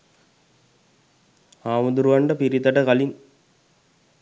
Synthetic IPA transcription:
aːmɐd̪uɾʋɐɳɖɐpiɾit̪ːɐʈɐkɐlin

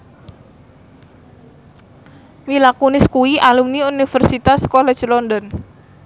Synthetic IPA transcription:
milakunɪskuwiʔalumniunifɛrsit̪askɔlɛ̥d͡ʒlɔndɔn

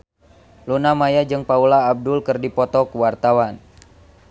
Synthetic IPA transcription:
lunamajad͡ʒɨŋpaulaːb̚dulkɨrdipɔt̪ɔkuwart̪awan

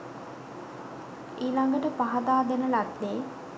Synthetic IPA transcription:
iːlaŋɡəʈəpaɦad̪aːd̪enəlad̪ːeː

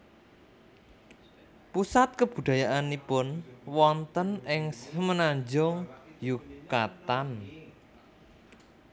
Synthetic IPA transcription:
pusat̪̚kəb̥ṳd̪̥a̤jaʔanipʊnwɔnt̪ənɪŋsmənaɲd͡ʒɔŋjukat̪an

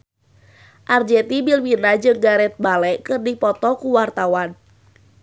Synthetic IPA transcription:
ʔard͡ʒɛt̪ibilwinad͡ʒɨŋɡaɾɛt̪̚balɛʔkɨrdipɔt̪ɔkuwart̪awan

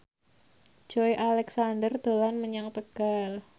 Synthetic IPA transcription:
d͡ʒ̥ɔjʔalɛksandərd̪̥olanməɲaŋt̪əɡ̥al

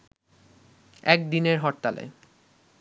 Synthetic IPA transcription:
ɛk̚d̪ineɾɦɔɾt̪ːalḛ

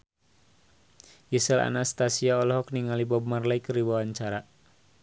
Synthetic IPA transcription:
jisɛla̰nast̪asiaɔlɔɦɔkniŋalibɔmarlaikəɾiwawaɲt͡ʃaɾa

